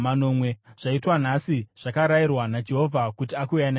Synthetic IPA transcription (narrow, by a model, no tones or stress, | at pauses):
mano̞ːmweʐ̥aitwanasiʐ̥akaɾajirwanad͡ʒe̞ɦo̞vʱakutiakujana